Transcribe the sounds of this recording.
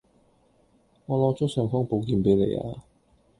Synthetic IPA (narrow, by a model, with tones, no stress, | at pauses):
ŋɔː˨˧lɔː˨˥t͡ʃɔ˥k̚sœː˨˩ŋkɔː˥ŋpo˨˧wk̬iː˧npe˨˥jlḛ˨˧ja̰ː˧